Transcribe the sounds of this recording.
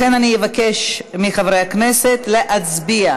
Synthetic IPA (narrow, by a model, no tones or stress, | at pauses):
enanijevake̞ʃmiχavɾejhakne̞se̞t̪le̞ʔat͡sbia